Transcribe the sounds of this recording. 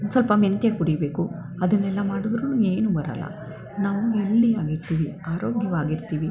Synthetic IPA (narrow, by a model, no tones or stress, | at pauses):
sɐlpɐment̪jekuɽijbe̞ːku | ɐd̪ɐnːelːɐmaːɽud̪ɾunue̞ːnubɐɾɐ̰lːɐ̰ | naːʋuʋeld̪ijaːɡiɾut̪iːʋiaːɾo̞ːɡjɐʋaːɡiɾut̪ːiːʋi